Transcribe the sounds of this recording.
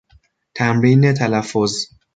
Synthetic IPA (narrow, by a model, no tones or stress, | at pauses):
t̪ʰæmɾiːnet̪ʰælæfːoz